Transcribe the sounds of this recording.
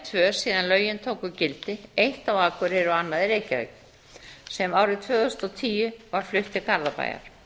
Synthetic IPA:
t̪ʰvœ̥ːsiːðanlœːɥjɪnt̪ʰoːwkʏcɪlt̪ɪejht̪awaːkʏɾɛɾʏanːaðɪɾeːjca̰k | sɛmawɾɪt̪ʰvœːɣʏʏst̪ɔt̪ʰiːjʏvaɾ̥flʏht̪ɪkʰaɾðapa̰ːja̰ɾ̥

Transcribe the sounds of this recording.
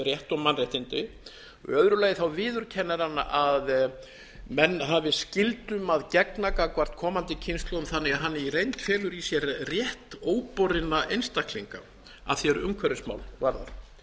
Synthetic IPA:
rjɛht̪ɔmanːrjɛht̪ɪnt̪ɪ | œðɾʏlaːjɪθawvɪːðʏɾ̥cʰɛnːaɾanʔað | mɛnːɦavɪscɪlt̪ʏmaðcɛknakakvar̥t̪kʰɔːmant̪ɪcʰɪnst̪lowmθanːɛɣaðɦanːɪiɾejnt̪fjɛːlʏɾisjɛɾrjɛht̪oːwpɔɾɪnːaʔejnst̪akliŋka | a̰ðθjɛɾʏmkʰvɛɾɪsma̰ːwlvaɾða̰ɾ̥

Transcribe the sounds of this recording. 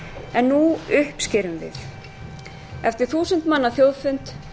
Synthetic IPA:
ɛnːuʏhpscɪːɾʏmvɪ̰θ | ɛft̪ɪɾ̥θuːsʏnt̪manːaθjowðfʏnt̪

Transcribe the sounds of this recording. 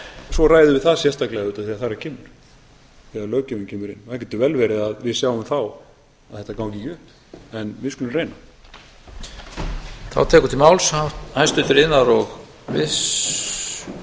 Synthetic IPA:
svɔraːjðʏvɪðθaðsjɛst̪aklɛɣaðʏːt̪aðθiaðθaɾaɾcʰɛːmʏɾ̥ | θɛalœːwcɛmʏncʰɛːmʏɾɪ̰nːahcɛt̪ːʏvɛlvɛɾɪðaðvɪðsjaːwʏmθaw | aðθɛht̪akawŋcɪcʏhp | ɛnvɪskʏlɪrejna | θa̰wt̪ʰɛːkʏ̥t̪ʰɪlmaːwlsathajst̪ʏt̪ʏɾɪnːaɾɔɣ | vɪs

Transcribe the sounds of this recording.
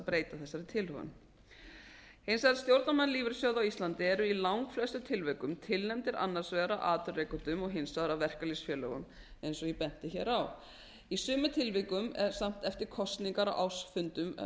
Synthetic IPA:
pɾeːjt̪aθɛsːaɾɪt̪ʰɪlhɔ̰n | hejnsvaðaɾst̪jowɾt̪namanliːvɪɾsjœwðawist̪lant̪ɪɛɾʏilawŋkflɛst̪ʏt̪ʰɪlvɛkʏmt̪ʰɪlnɛmt̪ɪɾʔa̰nːaɾ̥svɛːɣaɾaʔaːt̪ʏrːejkʏt̪ʏmɔɣɦɪnsvaðɾawvɛr̥kalisfjœːlœɣʏm | ejnsɔjɛpɛn̥t̪ɪçɛːɾaw | isʏːmʏt̪ʰɪlvɪkʏmɛ̰ɾ̥sam̥t̪ɛft̪ɪɾkʰɔst̪niŋkaɾa̰wʔa̰wsfʏnt̪ʏm

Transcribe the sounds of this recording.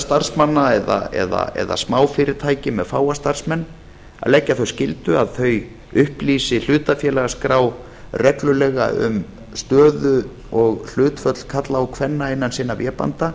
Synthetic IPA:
st̪ar̥smanːaɛða̰ɛ̰ða̰ɛ̰ða̰smaːwfɪɾɪɾ̥t̪ʰaːjcɪmɛðfaːwast̪ar̥smɛnː | a̰ðlɛcːaθœɥscɪlt̪ʏaðθœɥj | ʏhpliːsɪl̥ʏːt̪afjɛːlaɣaskɾaːw | rɛklʏlɛɣa̰ʏ̰m | st̪œːðʏ | ɔɣl̥ʏːt̪fœt̪l̥kʰat̪laɔkʰvɛnːaɪnːansiːnavjɛːpa̰nt̪a

